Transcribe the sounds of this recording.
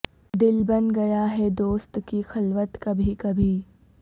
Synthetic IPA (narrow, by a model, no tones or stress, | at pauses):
d̪ɪlbɐnɡɐjaɦɛd̪oːst̪kixɐlʋət̪kɐbʱikɐbʱiː